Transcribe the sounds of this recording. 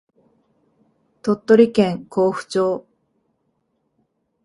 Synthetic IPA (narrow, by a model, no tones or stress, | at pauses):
t̪o̞t̪ːo̞ɾʲikẽŋko̞ːɸɯ̟̥t͡ɕoː